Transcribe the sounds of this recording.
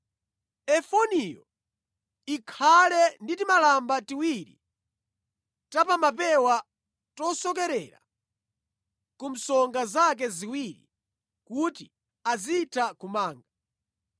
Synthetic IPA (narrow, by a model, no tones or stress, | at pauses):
ɛfɔnijɔ̰ | ikʰalɛnditimalambatiwiɾḭ | tapamapɛwa | tɔsɔk̬ɛɾɛɾa̰ | kum̩sɔŋɡazak̬ɛziwiɾḭ | kuti | aziːtʰakumaːŋɡa